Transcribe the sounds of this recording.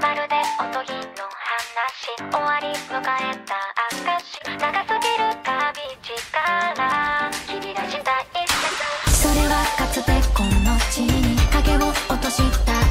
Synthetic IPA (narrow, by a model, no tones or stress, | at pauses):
baɾɯ̟d̪e̞ot̪oɡʲinohanːaɕioβaɾʲimɯ̟kae̞t̪aakaɕi̥naɡasɨɡʲiɾɯ̟kabʲid͡ʑikaɾakiɕit̪ai | so̞ɾe̞βakat͡sɨt̪e̞kːonnot͡ɕiɲ̟iaɡe̞βoot̪o̞ɕit̪ːa